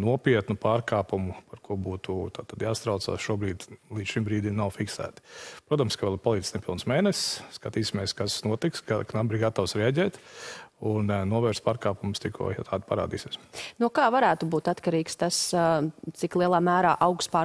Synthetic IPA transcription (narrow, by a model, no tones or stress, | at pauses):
nuɔpiɛt̪nupaːɾkaːpumupaɾkuɔbuːt̪ut̪aːt̪ad̪jaːst̪ɾaʊt̪sa̰ːsʃuɔbɾiːd̪lˠi̥ːʃimbɾiːd̪imnawfiksæ̰ːt̪i̥pɾoɔt̪amskaʋɛlˠpalˠiːd̪snɛpilˠnsmeːnɛssskat̪iːsʲimiɛskasnuɔt̪iksɡaknambɾiɡat̪awsɾɛaɟʲɛːt̪unnuɔʋɛɾspaːɾkaːpumst̪ikʰṵɔjt̪ʰaːd̪pa̰ɾa̰ːd̪iːsʲiɛsnukaːvaɾæːt̪ubuːt̪at̪kaɾiːkst̪as | iklˠiɛlˠaːmæːɾaːʔaʊkspaː